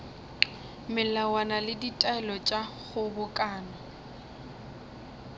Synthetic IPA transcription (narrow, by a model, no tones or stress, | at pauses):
mɪlawanalɪditʼaɛlɔt͡ʃʼaɣʊbʊkʼaːnɔ